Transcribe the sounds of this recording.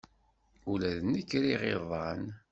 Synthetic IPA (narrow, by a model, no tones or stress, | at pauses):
ulæðnəkːɾiʁiðˤɑn